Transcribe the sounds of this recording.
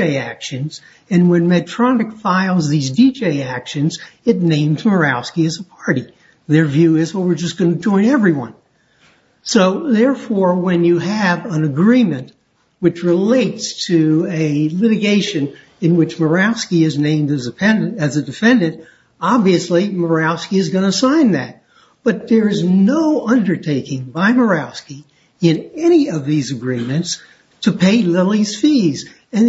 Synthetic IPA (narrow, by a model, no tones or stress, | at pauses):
eɪækʃɨ̃nz̥ | ɨ̃nwɨ̃nmɨtʰɹ̥ɑnɨkfaɪlˠzðizdid͡ʒeɪækʃɨ̃nzɨtⁿnẽɪ̃mzmə˞æʊskiɨzəpʰɑɹɾi | ðə˞vjʉɪzwət̚wɨɹd͡ʒʌsɡ̥ʌnɨd͡ʒɔ̃ɪ̃nɛvɹiwʌ̰̃n | soʊðɛɹfɔɹwɨ̃njɨəvə̃nɨɡɹĩmɨ̃nʔ | wɨt͡ʃɹɨleɪtstʰɨɨlɪɾɨɡeɪʃɨ̃n | ɨ̃nwɨt͡ʃmə˞æʊskiɨznẽɪ̃mdɨzɨpʰɛ̃nɨɨzɨdɨfɛ̃ndɨ̃nt | ɑbviɨslimə˞æʊskiɨzɡʌnɨsãɪ̃nðɨt̚ | b̥ʌt̪̚ðə˞ɨznoʊʔʌ̃ndə˞tʰeɪkɪ̃ŋbaɪmə˞aʊski | ɪ̃nɛñiʌvðizɨɡɹĩmɨ̃nts | tʰɨpʰeɪlɪlˠiz̥fiz | ɨ̃n